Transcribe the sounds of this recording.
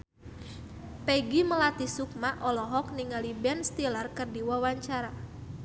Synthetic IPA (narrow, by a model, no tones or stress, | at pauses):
pɛɡiməlat̪isuk̚maʔɔlɔɦɔk̚niŋalibɛnst̪ilarkərdiwawaɲt͡ʃaɾa